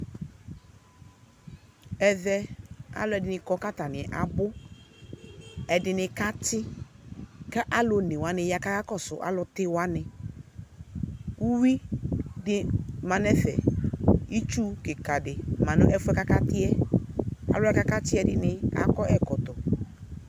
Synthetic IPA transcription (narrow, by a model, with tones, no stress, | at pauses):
ɛ˨ðɛ˦a̰˦lʊ˨˦ɛ˨dɪ˨nɪ˨kɔ˦ka˦ta˨nɪ˨ɛ˨ʔa˨bʊ˦ | ɛ˨dɪ˨nɪ˧ka˦tɪ˦ | ka˦ʔa˦lʊ˨nɪ̃˨wa˨nɪ˨ja˨ka˦ka˦kɔ˦sʊ˨ʔa̰˨˦lʊ˧tɪ˦wa˦nɪ˨ | u˦wi˦dɪ˦mã˨nɛ˦fɛ̰˨ | i˦t͡ʃu˦kɪ˨ka˨dɪ˨mã˨nʊ̰˦ʔɛ˦fʊ˦ɛ˦ka˦ka˦tɪ˦ɛ˦ | a̰˨lʊ˦ɛ˦ka˦ka˦tɪ˦ɛ˨dɪ˨nɪ˦a̰˨kɔ˦ʔɛ˨kɔ˨tʊ˨